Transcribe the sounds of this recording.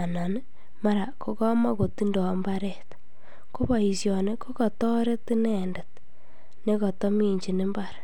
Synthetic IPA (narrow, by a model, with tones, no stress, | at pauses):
a˨nɔ˨n˦ | ma˦ɾa˨ko˦kɔ˦ma˦ko˨ti˦ndɔ˨˦mbaɾɛ˨t | ko˦ba˨i˨sjɔ˨ne˦ko˦kɔ˨tɔ˦ɾe˦tɪ˦nɛ˨nda˨t̚ | ne˦kɔ˨tɔ˦mi˦˨ɲt͡ʃi˨nɪ˦mbaɾa˨